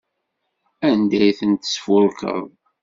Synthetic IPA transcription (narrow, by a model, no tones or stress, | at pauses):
ænd̪æjθənt̪ə̥sfʊlkə̰ðˤ